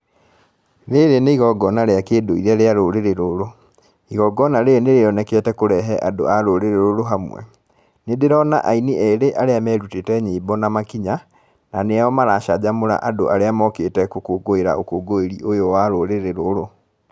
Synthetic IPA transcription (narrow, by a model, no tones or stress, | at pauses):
ɾeɾeneiɣɔɡɔnaɾeakeːdoiɾɛɾeaɾoɾeɾeɾoɾo | iɣɔɡɔnaɾeeneɾeɔnɛkeɛtɛkoɾɛɦɛʔado̰aɾoɾeɾeɾoɾoɦamwɛ̰ | nedeɾɔna̰ʔainiɛɾeʔaɾeamɛɾutetɛɲeibɔnamakiɲa | naneaɔmaɾaʃad͡ʑamoɾa̰ʔadoʔaɾeamɔketɛkokoɡoeɾa̰okoɡoeɾiʔojowaɾoɾeɾeɾoɾo